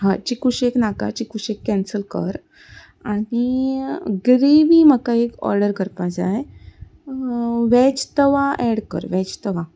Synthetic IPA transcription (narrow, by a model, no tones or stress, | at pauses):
ɦat͡ɕikuɕeknaka̰t͡ɕikuɕekːɛnsəlkə̰ɾ | aɽi | ɡɾeʋiːm̤əkaekɔ̰ɾɖəɾkəɾpad͡zaj | ʋɛt͡ɕt̪əʋaʔɛɽkə̰ɾʋɛt͡ɕt̪əʋa